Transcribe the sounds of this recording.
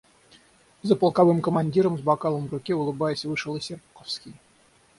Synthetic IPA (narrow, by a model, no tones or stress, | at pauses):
zəpəlˠkavɨmkəmanʲdʲiɾəmzbakɑlˠəmvrʊkʲɛʊlˠɨbajəsʲvɨʂɨlˠɨsʲerpqofskʲij